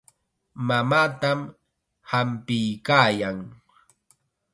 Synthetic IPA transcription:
mamaːt̪am | hampɪjkaːjaŋ

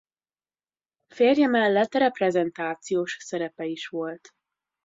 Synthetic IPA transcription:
feːrjɛmɛlːɛt̪ːrɛprɛzɛnt̪aːt̪sijoːʃsɛɾɛpɛiʃʋo̞lt̪

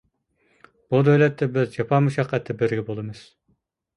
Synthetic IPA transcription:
b̥ud̪øjlɛt̪ːɛbɪzd͡ʒɑpʰɑmuʃɑqːɛt̪ʰːɪbɪɾɡʲɛbolˠɨmɨz̥

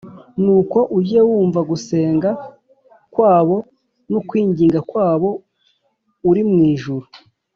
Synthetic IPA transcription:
nuːko̞ʔuɟewuːɱvaɡuse̞ːŋɡa | kwaːβo̞ | nukwiːɲɟiːŋɡakwaːβo̞ | uɾimŋiːʒuɾu

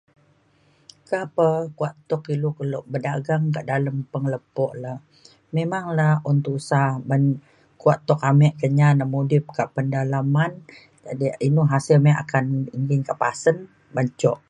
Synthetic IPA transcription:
kapəkuaʔt̪ɔkilokəlɔʔbədaɡaŋkaʔdaləmpəŋələpɔʔla | memaŋlahunt̪uusabən | kuaʔt̪ɔkamɛʔkəɲanamodɪp̚kaʔpəndalaman | d͡ʒadiinuɦasɪlmɛʔa̰kaniŋɡɪnkaʔpasən | baɲt͡ʃɔʔ

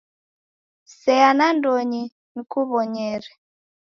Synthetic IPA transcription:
sɛanandɔɲi | nikuβɔɲɛɾɛ

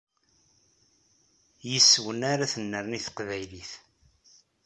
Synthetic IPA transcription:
jəsːwənaɾaθənːəɾniθə̥qvæjliθ

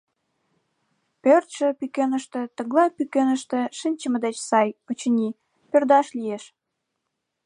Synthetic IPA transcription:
pørt̪ʃə̆pykenəʃt̪ĕt̪ə̆ɣlɑpykenəʃt̪ĕʃənʲt͡ɕəmə̆d̪et͡ɕsɑjot͡ɕənʲi | pørd̪ɑʃlijeʃ

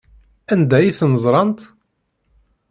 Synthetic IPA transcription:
ænd̪æjiθnəzˤɾˤɑnt̪

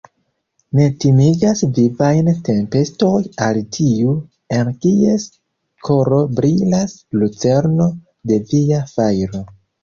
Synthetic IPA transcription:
ne̞timiɡasvivajnte̞mpe̞sto̞jaltʰiu | enkies | kʰo̞ɾo̞bɾilaslut͡se̞ɾno̞ | de̞viafajɾo̞

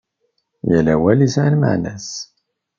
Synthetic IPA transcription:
jælæwælisʕanmə̰ʕnæs

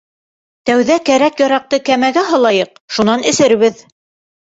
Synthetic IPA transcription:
t̪æwðækæɾækjɑɾɑq̚t̪ɤkæmæɡæɦɤ̆lˠɑjɤq | ʃunɑnɘ̆sɘɾ̆βɘð

